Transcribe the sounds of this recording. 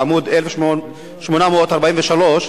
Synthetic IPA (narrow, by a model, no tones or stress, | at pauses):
amud̪elef | ʃmonamoot̪aʁbaʔimveʃalo̞ʃ